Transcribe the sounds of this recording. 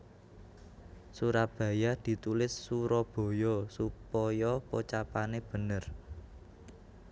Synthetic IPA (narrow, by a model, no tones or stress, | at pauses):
suɾab̥ä̤jad̪̥i̤t̪ulɪsːuɾɔb̥o̤jɔsupɔjɔpot͡ʃapaneb̥ə̤nər